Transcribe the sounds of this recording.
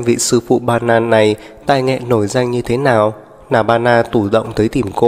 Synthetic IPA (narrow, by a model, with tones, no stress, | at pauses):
mvḭ˧˨sɨ˧fṵ˧˨ɓaː˧naː˧nːa˨˩j | t̪aː˧˨jŋɛ̰˧˨no˧˩jza˧jŋ̟ɲɨ˧t̪ʰe˨˦naː˨˩w | naː˨˧˩ɓaː˧naː˧t̪u˧˩ɗə̰˧˨wŋ͡mt̪əː˨˦jt̪i˧˩mko˧